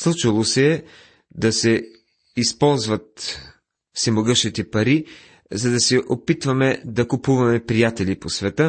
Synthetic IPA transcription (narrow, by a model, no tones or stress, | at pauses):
slˠut͡ʃilˠosɛː | d̪ɐsɛ | ispɔlˠzvɐt̪̚ | sɛmoɡɤʃit̪ɛpɐɾi | zɐd̪ɐsɛʔopit̪vɐmɛd̪ɐkupuvɐmɛpɾijat̪ɛliposvɛt̪ə